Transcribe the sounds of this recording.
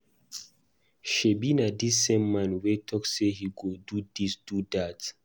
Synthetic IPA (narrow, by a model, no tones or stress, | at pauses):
ʃebinadisːẽmːãnwetʰɔkssehiɡodudisd̥udat